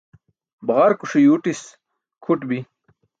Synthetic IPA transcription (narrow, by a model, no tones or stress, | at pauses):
bʁɐɾkuʂijuʈis | kʰuʈbi